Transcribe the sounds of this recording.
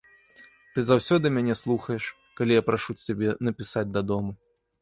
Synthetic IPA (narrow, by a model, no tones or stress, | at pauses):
t̪ɨzawsʲɔd̪ɨmʲanʲɛslˠuxɐjɛʂ | kalʲijapɾaʂut͡sʲtʲabʲɛnɐpʲisad͡zʲd̪ɐd̪ɔmu